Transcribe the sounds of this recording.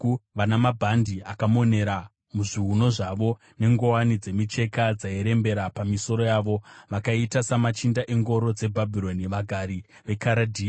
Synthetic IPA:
ʋanamabʱandiakamo̞ne̞ɾa | muʐiɦuno̞ʐaʋo̞ | ne̞ŋɡo̞wanid͡ze̞mit͡ʃe̞kad͡zaeɾe̞mbe̞ɾapamiso̞ɾo̞jaːʋo̞ʋakaitasamat͡ʃindaʔe̞ŋɡo̞ɾo̞d͡ze̞bʱabʱilo̞niʋaɡʱaɾi | ʋe̞kaɾadʱiː

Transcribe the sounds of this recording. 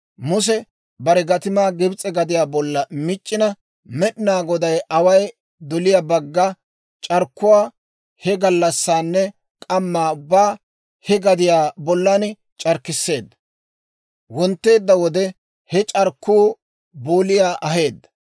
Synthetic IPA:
mʊs̬ɛ | bɐɾɛɡɐt̪ɪmaːɡɪbt͡sʼɛɡɐd̪ɪjaːbɔlːɐmɪt͡ʃʼːɪnɐ | mɛɗɪnaːɡɔd̪ɐjʔɐwɐj | d̪ɔlɪjabɐɡːɐ | t͡ʃʼɐɾkːʊwaː | hɛɡɐlːɐsːaːnːɛ | kʼɐmːaːʊbːaː | hɛɡɐd̪ɪjaːbɔlːan | t͡ʃʼɐɾkːɪsːe̞ːd̪ːɐ̥ | wɔnt̪ːe̞ːd̪ːɐwɔd̪ɛ | hɛt͡ʃʼɐɾkːuː | boːlɪjaːʔɐɦe̞ːd̪ːɐ̥

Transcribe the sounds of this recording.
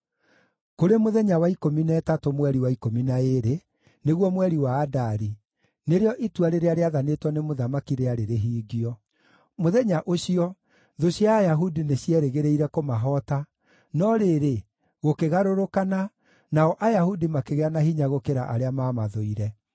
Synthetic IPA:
koɾemoðɛɲawaikominɛːtatomwɛɾiwaikominaeɾe | neɣwɔmwɛɾiwaːdaɾi | neɾeɔʔitwaɾeɾeaɾeaðanetwɔnemoðamakiɾeaɾeɾeɦiːɡiɔ | moðɛɲaʔoɕiɔ | ðoɕjaːjaɦudineɕjɛɾeɣeɾeiɾɛkomaɦɔta | nɔɾeɾe | ɣokeɣaɾoɾokana | naɔʔajahudimakeɣeanaɦiɲaɣokeɾaʔaɾeamaːmaðoiɾɛ

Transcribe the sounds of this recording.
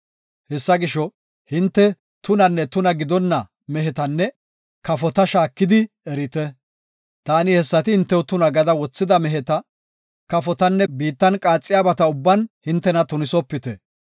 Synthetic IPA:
hɛsːɐɡɪʃɔ | hɪnt̪ːɛ | t̪ʊnɐnːɛt̪ʊnɐɡɪd̪ɔnːɐ | mɛɦɛt̪ɐnːɛ | kɐfɔt̪ɐʃaːkːɪd̪ɪ | ɛɾɪt̪ɛ | t̪aːnɪhɛsːɐt̪ɪhɪnt̪ːɛwt̪ʊnɐɡɐd̪ɐwɔt͡sːɪd̪ɐmɛɦɛt̪ɐ | kɐfɔt̪ɐnːɛbiːt̪ːɐnkʼaːt͡sʼːɪjaːbɐt̪ɐʊbːɐnhɪnt̪ːɛnɐt̪ʊnɪsɔpːɪt̪ɛ

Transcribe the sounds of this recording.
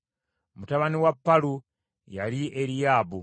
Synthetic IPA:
mutaβaniwapːalu | jaliʔeɾijaːbu

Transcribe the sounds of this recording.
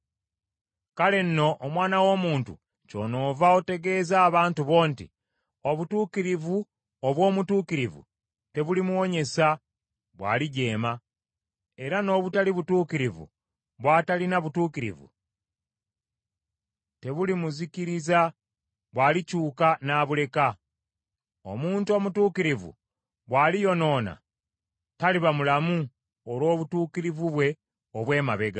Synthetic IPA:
kale̞n̩ːo̞ʔomwaːnawo̞ːmuːntṵ | co̞̰no̞ːvao̞te̞ɡe̞ːzaːβaːntuβo̞ːntḭ | o̞βutuːkiɾivu | oβwo̞ːmutuːkiɾivṵ | te̞βulimuwo̞ɲe̞sa | βwa̰ːliɟe̞ːma | e̞ɾano̞ːβutaliβutuːkiɾivṵ | βwaːtalinaβutuːkiɾḭvṵ | te̞βulimuziciɾiza | βwaːlicuːkanaːβule̞ka | o̞̰muːntuo̞mutuːkiɾivṵ | βwaːlijo̞no̞ːna̰ | taliβamulamu | olwo̞ːβutuːkiɾivuβwe̞ | oβwe̞ːmaβe̞ɡa

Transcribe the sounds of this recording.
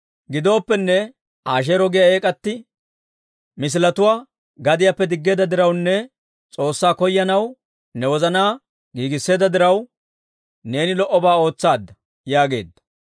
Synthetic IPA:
ɡɪd̪o̞ːpːɛnːɛ | aːʃ̬eːɾɔɡɪjɐeːkʼɐt̪ːɪ | mɪs̬ɪlɐt̪ʊwaː | ɡɐd̪ɪjɐpːɛd̪ɪɡːeːd̪ɐd̪ɪɾɐwnːɛ | t͡sʼo̞ːsːaːkɔjːɐnɐw | nɛwɔzɐnaː | ɡiːɡɪsːe̞ːd̪ɐd̪ɪɾɐw | ne̞ːnɪlɔʔːɔbaːo̞ːt͡sːaːd̪ːɐ | jaːɡe̞̰ːd̪ːɐ

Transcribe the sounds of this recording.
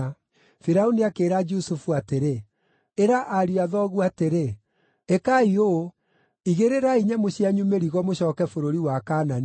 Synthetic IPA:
fiɾaoniakeːɾad͡ʒusufuateɾe | eɾaʔaɾiaðɔɣuateɾe | ekaio | iɣeɾeɾaiɲɛmoɕiaɲumeɾiɣɔmoɕɔkɛfoɾoɾiwakanani

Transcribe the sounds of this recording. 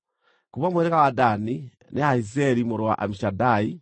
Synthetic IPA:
kuβamueɾekawadani | neaizeɾimuɾwa̰ʔa̰miʃadai

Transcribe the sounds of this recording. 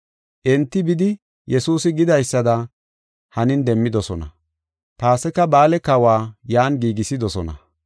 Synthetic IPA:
ʔɛnt̪ːɪbɪd̪ɪ | jɛsuːsɪɡɪd̪ɐjsːɐd̪ɐ | hɐnɪnd̪ɛmːɪd̪ɔsɔnɐ̰ | t̪aːsɛkːɐbaːlɛkɐwaːjaːnɡiːɡɪsɪd̪ɔsɔnɐ̰

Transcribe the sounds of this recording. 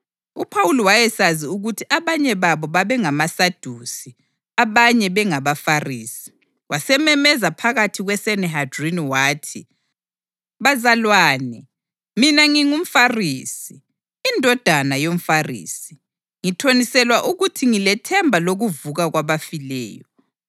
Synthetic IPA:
upʰawuliwajɛsaziuɣutʰiʔaβaɲɛβaβɔβaβɛŋamasad̥ʱusi | aβaɲɛβɛŋaβafariːsi̥ | wasɛmɛmɛzapʰaɣatʰiɣwɛsɛnɛɦadriniwaːtʰi | βazalwaːnɛ | minaŋiŋum̩fariːsiː | ndʱɔd̥ʱanajom̩farḭːsi̥ | ŋitʰonisɛlwaʔuɣutʰiŋilɛtʰɛmbʱaloɣuvuɣaɣwaβafilɛ̰ːjɔ

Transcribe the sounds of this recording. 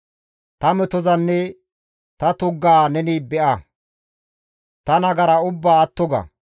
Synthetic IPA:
t̪ɐmɛt̪ɔzɐnːɛ | t̪ɐt̪ʊɡːaːnɛniːbɛʔɐ | t̪ɐnɐɡɐɾɐʊbːaːt̪ːɔɡɐ̰

